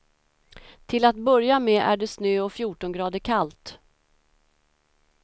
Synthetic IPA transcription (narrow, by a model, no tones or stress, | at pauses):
t̪ʰɪlat̪̚bœɾjamɛʔæ̰ɖɛsnøːɔfjuːʈɔnɡɾɑːd̪əɾkʰalt̪